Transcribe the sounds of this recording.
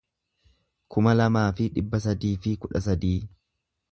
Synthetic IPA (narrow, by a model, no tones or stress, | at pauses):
kʰʊmɐlɐmaːfɪᶑɪbːɐs̬ɐd̪iːfɪkʊᶑɐs̬ɐd̪iː